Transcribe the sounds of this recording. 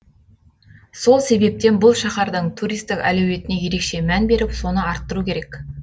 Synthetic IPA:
so̞lˠse̞be̞p̚t̪e̞nbʊlˠʃɑχɑɾd̪əɴt̪ʰuɾijst̪ɪkæ̰lewe̞t̪ɪne̞je̞ɾe̞kʃe̞mænbe̞ɾɪpso̞nəɑɾt̪ːəɾukʲʰe̞ɾe̞k

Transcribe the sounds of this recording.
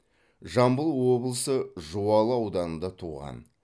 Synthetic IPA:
ʒɑmbəlˠwo̞blˠəsəʒuwɑlˠəɑwd̪ɑnənd̪ɑt̪ʰuʁɑ̰n

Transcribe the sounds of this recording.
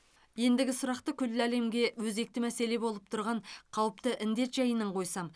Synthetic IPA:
je̞nd̪ɪɡʲɪsʊɾɑqt̪əkʲʰʏlːæle̞mɡʲe̞wɵze̞k̚t̪ɪmæse̞le̞bo̞lˠəp̚t̪ʰʊɾʁɑɴqʰɑwəp̚t̪əʔɪnd̪e̞t̪ʒɑjənəɴqʰo̞jsɑm

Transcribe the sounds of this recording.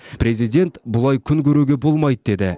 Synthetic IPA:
pɾe̞zijd̪ʲe̞nt̪bʊlˠɑjkʲʰʏŋkʲʰɵɾuɡʲe̞bo̞lˠmɑjd̪əd̪e̞d̪ɪ

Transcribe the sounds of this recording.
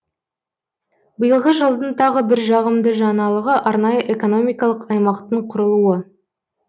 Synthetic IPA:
bəjəlˠʁəʒəlˠd̪ənt̪ʰɑʁəbɪɾʒɑʁəmd̪əʒɑnɑlˠəʁəʔɑɾnɑjəʔe̞ko̞no̞mijkɑlˠəqɑjmɑqt̪əɴqʰʊɾəlˠuə

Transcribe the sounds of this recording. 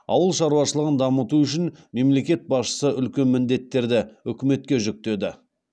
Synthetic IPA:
ɑ̰wəlˠʃɑɾuwɑʃəlˠəʁənd̪ɑmət̪uʏʃɪnme̞mle̞kʲe̞t̪̚bɑsʃə̥səʔʏlkʲe̞nmɪnd̪e̞t̪ːe̞ɾd̪ɪʏkʲɪme̞t̪̚kʲe̞ʒʏk̚t̪e̞d̪ɪ

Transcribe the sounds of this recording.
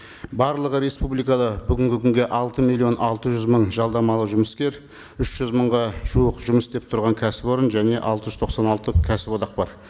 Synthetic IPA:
bɑɾlˠəʁəɾe̞spublijkɑd̪ɑbʏɡʲɪŋɡʲɪkʲʰʏŋɡʲe̞ʔɑlˠt̪əmilʲˠːijo̞nʔɑlˠt̪əʒʏzməɴʒɑlˠd̪ɑmɑlˠəʒʊməskʲe̞ɾ | ʏʃʒ̥ʏzməɴʁɑʒ̥uəqʒʊməsd̪e̞p̚t̪ʰʊɾʁɑŋkʲʰæsɪpo̞ɾənʒæne̞ʔɑlˠt̪əʒʏzt̪ʰo̞qsɑnɑlˠt̪əkʲʰæsɪpod̪ɑq̚bɑɾ

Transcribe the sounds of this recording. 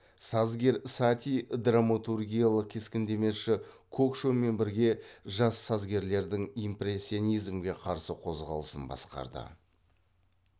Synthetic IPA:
sɑzɡʲe̞ɾsat̪ʲijd̪ramat̪urɡʲijalˠəq̚kʲʰe̞skʲɪnd̪e̞me̞ʃɪ | kʰokʃome̞nbɪɾɡʲe̞ʒɑsːɑzɡʲe̞ɾle̞ɾd̪ɪŋimpre̞sʲːionijzmɡʲe̞qʰɑɾsəqʰo̞zʁɑ̰lˠəsənbɑ̰sqɑ̰ɾd̪ə̰

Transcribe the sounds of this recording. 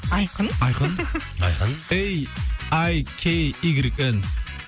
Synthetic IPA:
ɑjqənɑjqənɑ̰jqənejajkʲʰeiɡɾiken

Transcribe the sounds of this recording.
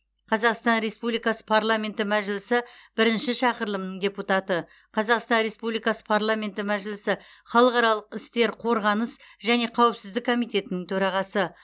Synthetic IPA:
qʰɑzɑqst̪ɑnɾe̞spublˠijkɑsə̥pʰaɾlˠamʲe̞nt̪ɪmæʒɪlɪsɪb̥ɪɾɪnʃɪʃɑqəɾlˠəmnəɴdʲeput̪ɑt̪ə | qʰɑzɑqst̪ɑnɾe̞spublijkɑsə̥pʰaɾlˠamʲe̞nt̪ɪmæʒɪlɪsɪ | χɑlˠəqɑɾɑlˠəqɪst̪e̞ɾqʰo̞ɾʁɑnəsʒæne̞qʰɑwəpsɪzd̪ɪkʰːo̞mijt̪ʲe̞t̪ɪnɪŋt̪ʰɵɾɑʁɑsə

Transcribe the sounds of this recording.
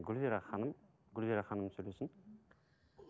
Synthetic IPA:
ɡʏlveɾaχɑnəm | ɡʊlveɾaχɑnəmsɵjlesɪn

